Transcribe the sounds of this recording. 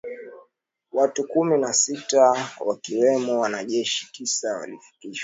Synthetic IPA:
watukuminasitawakiwɛmɔwanaʄɛʃi̥tisawa̰lifi̥kiʃwa

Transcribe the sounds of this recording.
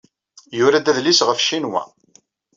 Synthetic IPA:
jʊɾæd̪æðlisʁəfʃinwæ̰

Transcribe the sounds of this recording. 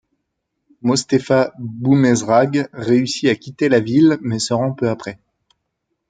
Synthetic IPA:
mɔst̪efabumɛzʁaɡʁeysiakʲit̪elavilmɛsəʁɑ̃pøapχɛ

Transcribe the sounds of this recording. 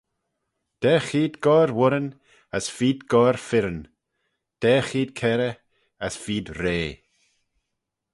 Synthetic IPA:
d̪̥ɛːxiːd̪ɡɔɾwʊɾən | əsfiːd̪ɡɔɾfɪɾən | d̪̥ɛːxiːd̪̚kʰɛɾə | əsfiːd̪ɾeː

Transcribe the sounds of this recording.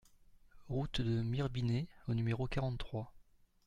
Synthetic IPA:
ʁut̪d̪əmiʁbineonymeʁokaʁɑ̃t̪t̪ːχwa

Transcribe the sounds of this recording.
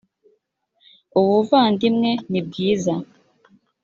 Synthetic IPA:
uwuvandimŋɛnib̚ɡiːza

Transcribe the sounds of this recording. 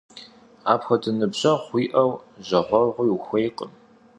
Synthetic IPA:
aːpxʷɐdʰɨnɨbʑɐχʷiːʔɐwʑɐħʷɔrʁʷʊjuxʷejqəm

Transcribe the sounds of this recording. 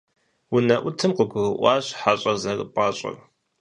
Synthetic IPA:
wʊnɐʔʷʊtʰɨmqəɡʷʊɣɨʔʷɑːɕħaɕʼɐzɐrʼpʼɑːɕʼɐ̰r

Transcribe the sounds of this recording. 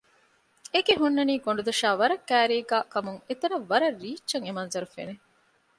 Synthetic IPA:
eɡeɦunːɐniːɡoɳ̆ɖud̪ɐʃaːʋɐɾɐkːæːɾeːɡaːkɐmuŋet̪ɐɾɐʋːɐɾɐriːt͡ʃːt͡ʃːɐŋemɐnzɐɾufḛne

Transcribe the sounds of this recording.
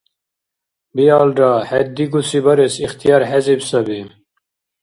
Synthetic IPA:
biaːlɖahed̪̚d̪iɡusibɐɾesixt̪ijaːɾɦezibsɐbi

